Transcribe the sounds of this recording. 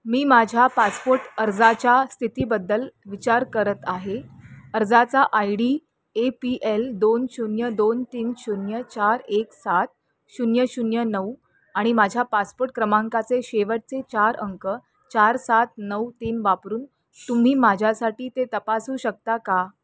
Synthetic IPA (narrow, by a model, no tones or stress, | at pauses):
miːmad͡ʑʱjapaspoɾʈəɾd͡zat͡ɕjast̪ʰit̪iːbəd̪ːəlʋit͡ɕaɾkəɾət̪aɦeəɾd͡zat͡saʔajɽi | epiʔeld̪onɕunjəd̪ont̪iːnɕunjət͡ɕaɾeksat̪̚ | ɕunjəɕunjənəw | aɽ̃imad͡ʑʱjapaspoʈ̚kɾəmãŋkat͡seɕeʋəɽ̚t͡set͡ɕaɾʔəŋkə | t͡ɕaɾsat̪̚nəwt̪iːnʋapɾuːn | t̪um̤iːmad͡ʑʱjasaʈiːt̪et̪əpasuːɕək̚t̪aka